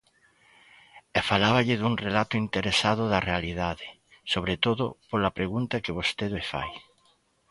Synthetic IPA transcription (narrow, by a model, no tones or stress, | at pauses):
ɛfalaβaʎɪðuŋrelat̪ʊint̪eɾesaðʊðɐrealiðaðɪ | soβɾet̪oðʊpolɐpɾeɣunt̪ɐkɪβost̪eðefa̰j